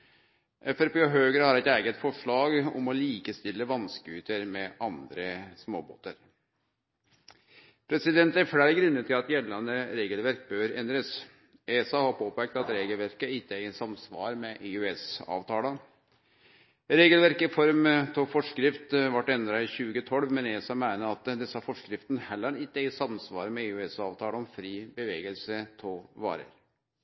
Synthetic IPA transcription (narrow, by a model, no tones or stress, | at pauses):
ʔɛfɛɾpeːɔɦøːɡəɾhɑɾɛɪt̪æːɡət̪fɔʂɭɑːɡɔ̰mɔliːkəst̪ɪlːəʋɑnskʉːt̪əɾmɛʔɑnd̪ɾəsmo̰ːbo̰ːt̪ə̰ɾ | pʰɾɛsɪd̪ɛnt̪æɾfɽæɪɾɡɾʉnːət̪ʰɪlɑt̪jɛlːɑnəɾeːɡəlʋæɾk̚bøːɾɛnd̪ɾəs | eːsɑhɑɾpʰoːpæk̚t̪ɑt̪ɾeːɡəlʋæɾkəɪt̪ːəæɪsɑmsʋɑ̰ːɾmɛʔɪʉɛsɑ̰ːʋt̪ʰɑːlə | ɾeːɡəlʋæɾkɪfɔɾmt̪ʰofɔʂkɾɪft̪ʋɑʈːɛnd̪ɾɑɪçʉːɡət̪ʰɔlʋmɛneːsɑmæɪnəɑt̪d̪ɛsːɑfɔʂkɾɪft̪nhɛlːəɾɪt̪ːəæɪsɑmsʋɑ̰ːɾmɛɪʉɛsɑːʋt̪ʰɑːləɔmfɾiːbəʋeːɡəlsət̪ʰoʋɑ̰ːɾə̰ɾ